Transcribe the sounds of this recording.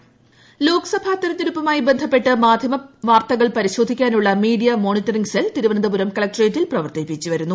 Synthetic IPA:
lo̞ːkɐ̥sɐbʱaːt̪ɐɾɐt̪ːiɾupːɐmaːjibe̞nd̪ʱɐpːe̞ʈːɨmaːd̪ʱjɐmɐʋaːrt̪ɐɣɐɭpɐɾiɕo̞ːd̪ʱikʲːaːnuɭːɐmiːɽijɐmo̞ːnitːɐriŋɡselt̪iɾuʋɐnɐd̪ɐbuɾɐmkɐɭɐk̚ʈreːtːilprɐʋɐrt̪ipːit͡ɕːiʋɐɾunːu

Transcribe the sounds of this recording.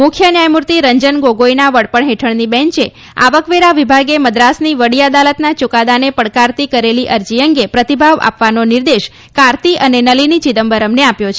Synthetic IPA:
mukʰjənjajmuɾt̪iɾəɲd͡ʒənɡoɡojnaʋəɽpəɳɦeʈʰəɳnibɛ̃ɲt͡ʃe | a̰ʋəkʋeɾaʋibʱaɡeməd̪ɾasniʋəɽijad̪alət̪nat͡ʃukad̪anepəɽkaɾt̪ikəɾeliʔəɾd͡ʒiəŋɡepɾət̪ibʱaʋa̰pʋanoniɾd̪eʃ | kaɾt̪iʔənenəlinit͡ʃid̪əmbəɾəmneapjot͡ʃʰe

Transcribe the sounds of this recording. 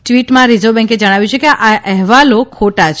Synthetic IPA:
ʈʋiʈmãɾid͡ʒobɛ̃ŋked͡ʒəɽ̃aʋjũt͡ʃʰekeʔaʔɛɦʋalokʰoʈat͡ʃʰ

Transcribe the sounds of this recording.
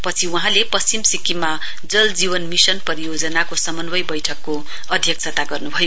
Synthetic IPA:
pʌt͡sʰiuɦãlepʌst͡simsikima | d͡zʌld͡ziβʌnmisʌnpʌɾijod͡zʌnakosʌmʌnbʌjbʌjʈʰʌkːo | ʌd̪ʱjʌk̚t͡sʰʌt̪aɡʌrnubʱʌjo

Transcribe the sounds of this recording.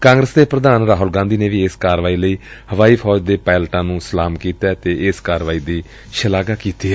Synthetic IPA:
kãːŋɡɾəsd̪eːpɾəd̪aːnɾaːɦʊlɡãːnd̪iːneːʋiːɪskaːɾʋaːiːləiːhəʋaːiːpʰɔːd͡ʒd̪eːpɛːlʈãːnũːsəlaːmkiːt̪ɛːt̪eːʔɪskaːɾʋaːiːd̪iː | ʃəlaːɡaːkiːt̪iːɛː

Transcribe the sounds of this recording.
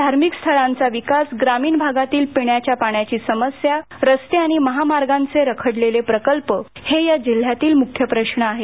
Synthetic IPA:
d̪ʱaɾmikst̪ʰəɭãnt͡saʋikasɡɾamiːnbʱaɡat̪iːlpiɳjat͡ɕjapaɳjat͡ɕiːsəməsja | ɾəst̪eaɽ̃iməɦamaɾɡãnt͡seɾəkʰəɽlelepɾəkəlpəhejad͡ʑil̤ːjat̪iːlmukʰjəpɾəɕɳəaɦe

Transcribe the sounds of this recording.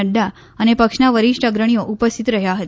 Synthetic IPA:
əɖːa | ənepəkʂnaʋəɾiʂʈəɡɾəɳ̃ijoʔupəst̪ʰit̪ɾəɦjaɦət̪

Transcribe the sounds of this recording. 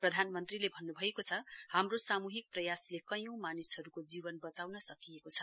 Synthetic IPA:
prʌd̪ʱanmʌnt̪rilebʱʌnːubʱʌekot͡sʰʌhamrosamuɦik̚prʌjaslekʌjõw̃manishʌɾukod͡zibʌnbʌt͡sawnʌsʌkijekot͡sʰʌ̥

